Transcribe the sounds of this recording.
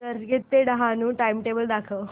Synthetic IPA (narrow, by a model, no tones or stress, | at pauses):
səɾɡet̪ːeɖəɦanũːʈaimʈebəld̪akʰəʋ